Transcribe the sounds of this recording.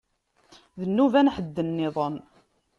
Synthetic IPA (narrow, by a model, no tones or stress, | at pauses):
ðənːuvænħəd̪ːənːɪðˤən